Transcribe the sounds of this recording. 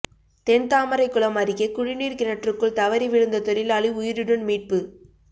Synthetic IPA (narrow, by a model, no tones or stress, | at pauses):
t̪ɛnt̪aːmɐɾɐɪkːɯɭɐmɐɾɪɣekʊɻɪniːɾkɪnɐʈrɯkːɯɭt̪ɐʋɐɾiʋɪɻɯnd̪ɐt̪ɔɾɪlɐɭɪʊjɪɾɯɽɯnmiːʈ̚pɯ